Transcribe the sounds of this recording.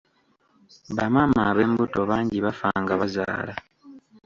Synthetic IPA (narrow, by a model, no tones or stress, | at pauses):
βamamaɾembuto̞βaːɲɟiβafaŋɡaβaza̰ːla